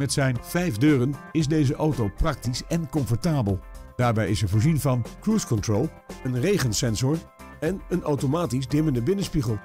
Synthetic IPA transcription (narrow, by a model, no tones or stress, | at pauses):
mɛtsɛjnv̥ɛjfdøːrənɪzdejzəʔawtowprɑk̚tisɛnkɔɱfɔɹtaːbəlˠd̥aːɹbɛjɪsɛɹvʊːɹzinvɑnkruskɔntrolˠ | ənrejχənsɛnzɔɹ | ɛnənawtomaːtizdɪməndəbɪnənspiχəlˠ